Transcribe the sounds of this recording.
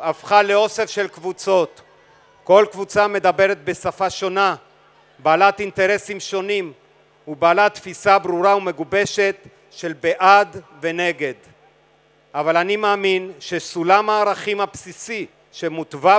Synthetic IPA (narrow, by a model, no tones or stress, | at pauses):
afχaleo̞se̞fʃe̞lkvut͡so̞t̪ | ko̞lkvut͡same̞d̪abe̞ɾe̞t̪̚be̞safaʃo̞na | baːlat̪int̪e̞ʁe̞simʃo̞nim | ubaːlat̪fisabʁuʁaume̞ɡube̞ʃe̞t̪ | ʃe̞lbeʔad̪ve̞ne̞ɡe̞d̪ | ʔavalanimaːminʃe̞sulamaːʁaχimhapsisi | ʃe̞mut̪va